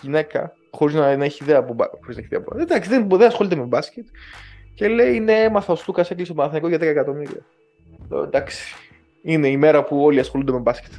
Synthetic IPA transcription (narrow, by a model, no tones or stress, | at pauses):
ʝine̞kɐ̰ | xo̞ɾiznɐnɐeçiːðeɐpubɐ̰xoiznɐeçiðḛɐpend̪ɐksiðenpuðenɐsxo̞lit̪emebɐscet̪cele̞ineemɐθɐost̪ukɐseklist̪oɐɐθɐnikoʝɐt̪ɾekɐekɐt̪o̞miɾḭɐ̰ | o̰ḛnd̪ɐksi̥i̥ | ine̞ime̞ɾɐpuo̞liɐsxo̞lund̪emebɐsce̥t̪